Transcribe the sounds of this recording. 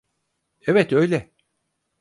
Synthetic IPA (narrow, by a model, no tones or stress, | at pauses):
evɛt̪ø̞jlʲɛ